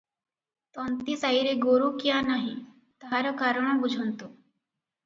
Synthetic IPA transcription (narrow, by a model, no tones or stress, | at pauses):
t̪ɔnt̪isaiɾeɡoɾukjanaɦi | t̪ɦaɾəkaɾəɳ̃ɔ̃bud͡ʒʱənt̪o